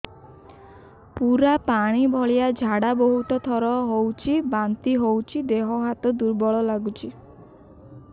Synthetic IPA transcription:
puɾapaɽ̃ibʱɔɭijad͡ʒʱaɽabɔɦut̪ɔt̪ʰɔɾɔɦowt͡ʃʰibant̪iɦowt͡ʃʰid̪eɦɔɦat̪ɔd̪uɾbɔɭɔlaɡut͡ʃʰi

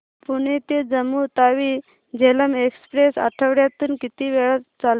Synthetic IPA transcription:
puɽ̃et̪ed͡zəmːut̪aʋi | d͡ʑeləmekspɾesa̰ʈʰəʋɽjat̪uːnkit̪iːʋeɭət̪t͡sal

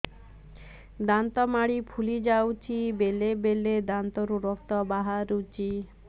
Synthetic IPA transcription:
d̪ant̪ɔmaɽipʰulid͡ʒawt͡ʃʰibelebeled̪ant̪ɔɾuɾɔkt̪ɔbaɦaɾut͡ʃʰi

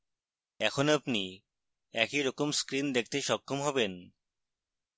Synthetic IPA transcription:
ɛkʰonapni | ɛkiɾɔkomskɾind̪ek̚ʰt̪eʃɔkʰːomɦɔben

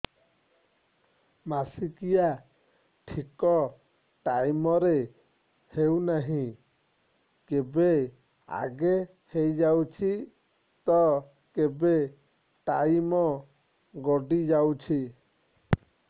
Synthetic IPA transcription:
masikija | ʈʰikɔ | ʈajmɔɾe | hewnaɦĩ | kebe | a̰ɡe | hejd͡ʒawt͡ʃʰi | t̪ɔ | kebe | ʈajmɔ | ɡɔɖid͡ʒawt͡ʃʰi

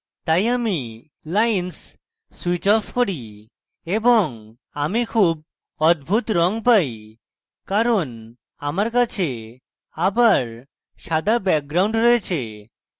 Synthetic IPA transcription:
t̪ajami | lajnsː | wit͡ɕɔfʰkoɾi | eboŋ | amikʰub̚ | ɔd̪̚bʱut̪ɾɔŋpaj | kaɾon | amaɾkat͡ɕʰe | abaɾ | ʃad̪ʱabɛk̚ɡɾawɳɖɾɔjet͡ɕʰe

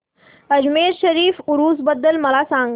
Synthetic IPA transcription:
əd͡ʑmeːɾɕəɾiːfuɾuːsbəd̪ːəlməlasãŋɡ

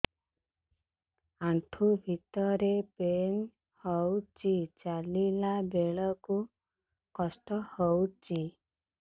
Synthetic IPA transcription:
aɳʈʰubʱit̪ɔɾepen | hɔwt͡ʃit͡ʃalilabeɭɔku | kɔsʈɔhɔwt͡ʃi

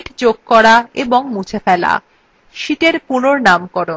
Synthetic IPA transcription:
ʈd͡ʑoɡ̚kɔɾaeboŋmut͡ɕʰefɛla̰ | ʃit̪eɾpunoɾnamkɔɾo

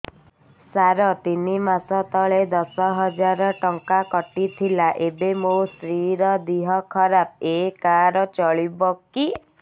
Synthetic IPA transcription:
saɾɔt̪inimasɔt̪ɔɭed̪ɔsɔɦɔd͡ʒaɾɔʈɔŋkakɔʈit̪ʰilaʔebemost̪ɾiɾɔd̪iɦɔkʰɔɾap̚ekaɾɔt͡ʃɔɭibɔki

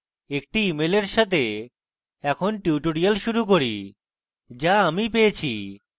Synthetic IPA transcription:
ek̚ʈiimeleɾʃat̪e | ɛkʰonʈiʈoɽijalʃuɾuk̬oɾḭ | d͡ʑaamipejet͡ɕʰḭ

